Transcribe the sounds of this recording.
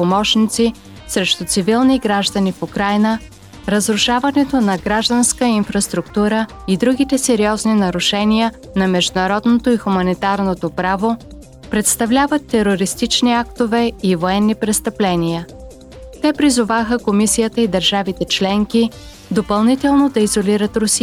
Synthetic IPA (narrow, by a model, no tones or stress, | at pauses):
pomɔʃnit̪si | sɾɛʃt̪ʊt̪sivilˠniɡɾaʒd̪ənifukɾajnə | ɾəzɾʊʃavɐnɛt̪onɐɡɾaʒd̪ənskəinfɾɐst̪ɾʊkt̪uɾə | id̪ɾuɡʲit̪ɛsɛɾiɔzninɐɾʊʃɛnijə | nɐmɛʒd̪ʊnɐɾɔd̪not̪oixʊmɐnit̪aɾnot̪opɾavo | pɾɛt̪st̪ɐvlʲavət̪ːɛɾoɾist̪it͡ʃniakt̪ovɛivoɛnːipɾɛst̪ɐplɛnijə | t̪ɛpɾizʊvaxəkomisijət̪əid̪əɾʒavit̪ɛt͡ʃlɛŋki | d̪opɐlˠnit̪ɛlˠnod̪ɐizoliɾət̪ɾʊsiə